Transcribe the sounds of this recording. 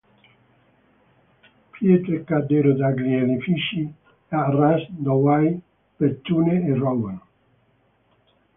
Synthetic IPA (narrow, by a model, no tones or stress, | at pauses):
pjet̪ɾekːad̪eɾod̪aɡɾielifiʃi | arɛsd̪ɔwaj | pet̪ːuneerɔwan